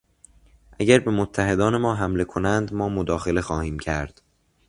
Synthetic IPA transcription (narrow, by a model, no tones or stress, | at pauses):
ʔæɟæɾbe̞mot̪ʰːæɦe̞d̪ɒːne̞mɒːɦæmle̞kʰo̞nænd̪mɒːmod̪ɒːxe̞le̞xɒːhiːmcʰæɾd̪̥